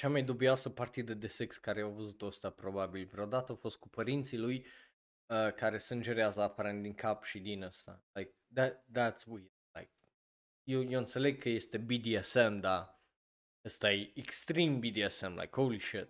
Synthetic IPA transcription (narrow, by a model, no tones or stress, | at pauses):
t͡ʃamajd̪obiasəpart̪id̪əd̪esɨkskaɾeawvəzut̪oəst̪apɾobabilʲvɾeod̪at̪əafost̪̚kupʰəɾint̪siluj | əkʰaɾesəɨnd͡ʒeɾeazəːpaɾɛnt̪iŋkʰapʃid̪inəst̪a̰lajk̚d̪æd̪æt̪swi | lajk̚ | jojoənt̪seleɡ̚kʰəjest̪ebid̪iɛsɛmd̪a | əst̪aejɛkst̪ɾimbid̪iɛsɛmla̰jkʰowliʃɪt̪̚